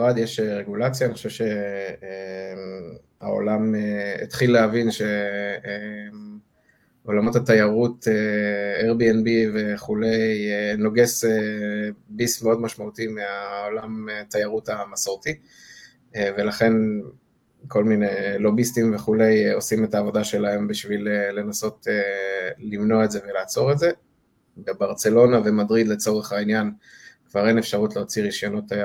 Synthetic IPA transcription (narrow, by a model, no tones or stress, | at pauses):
ʁad̪jeʃeʁeɡulat͡sjaːniχoʃevʃe̞ | a̰o̞̰lameḛt̪χilːeavinʃe̞e | o̞lamo̞tat̪ajaʁuteeʁbienbive̞χule̞jeno̞ɡese | bismeo̞dmaʃmaut̪imeaolamet̪ajaʁutamasoʁti | ve̞laχe̞n | kʰo̞lminejlo̞bistimveχule̞jo̞sime̞taːvo̞daʃe̞lae̞mbiʃvilele̞naso̞telimno̞aetze̞ve̞laːt͡so̞ʁe̞tze | bebaʁt͡se̞lo̞nave̞madʁid̪le̞t͡so̞ʁe̞χainjankvaʁenefʃaʁutleot͡siʁiʃjonot̪a